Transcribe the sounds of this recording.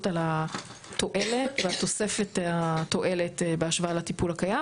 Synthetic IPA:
tala | t̪o̞ʔeletveat̪o̞sefetato̞ʔe̞letebeaʃvaalatipulhakaja

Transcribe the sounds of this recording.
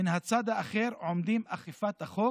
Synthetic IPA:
inhat͡sad̪aːχeɾʕomd̪imaχifat̪haχo

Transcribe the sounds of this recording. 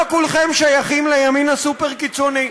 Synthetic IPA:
kulχemʃajaχimlejaminasupeʁkit͡so̞ni

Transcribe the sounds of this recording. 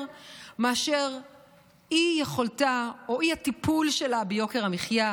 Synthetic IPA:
meaʃeʁ | ijeχoltaoiatipulʃe̞labejo̞keʁamiχja

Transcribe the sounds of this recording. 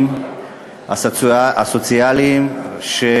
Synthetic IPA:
m | aasot͡sialiimʃe

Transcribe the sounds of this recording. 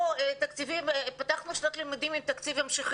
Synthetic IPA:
et̪akt͡sivimpat̪aχnuʃnot̪limad̪imimt̪akt͡sivhamʃiχ

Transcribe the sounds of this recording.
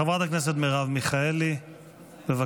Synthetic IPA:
avʁat̪aknes̬et̪miʁavmiχaeli | beva

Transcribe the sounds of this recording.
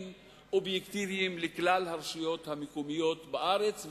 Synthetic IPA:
m | ʔobjekt̪iviimleklalhaʁʃijo̞t̪hamekomijo̞tbaʔaʁet͡sv

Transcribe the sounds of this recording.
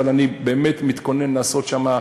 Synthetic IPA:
alanibe̞ːmet̪mit̪ko̞ne̞nlaːso̞t̪ʃama

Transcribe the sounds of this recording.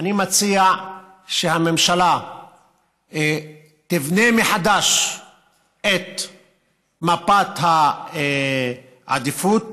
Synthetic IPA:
animat͡sia | ʃehame̞mʃala | t̪ivnemeħad̪aʃ | et̪ | mapat̪ha | ʕa̰d̪ifut̪̚

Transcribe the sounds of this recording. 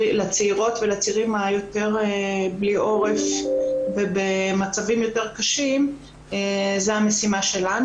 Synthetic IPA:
lat͡seiʁo̞tvelat͡siʁimajo̞te̞ʁbliʔo̞ʁefvebemat͡savimjo̞te̞ʁkaʃim | ezeame̞simaʃe̞lan

